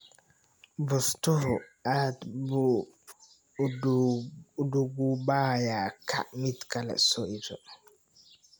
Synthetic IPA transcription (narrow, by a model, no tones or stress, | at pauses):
bɔstɔɾɔatbu | duɡubajakʰa̰ʔmitkalɛ̰soʔitɔ